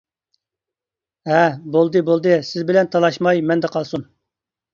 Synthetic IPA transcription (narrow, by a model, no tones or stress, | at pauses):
ɦɛbolˠd̪ɨbolˠd̪ɨsɪzbɪlɛnt̪ʰɑlˠɑʃmɑjmɛnd̪ɛqʰɑlˠsun